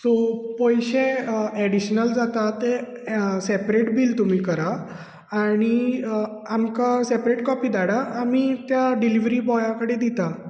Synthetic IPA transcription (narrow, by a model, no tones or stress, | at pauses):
sopəjɕẽɛɽiɕnəld͡zat̪at̪e | sepɾeʈbiːlt̪um̤iːkəɾa | aɽ̃i | amkasepɾeʈkɔpiːd̪aɽaːmit̪jaɖiliʋɾiːbɔjakəɽed̪it̪a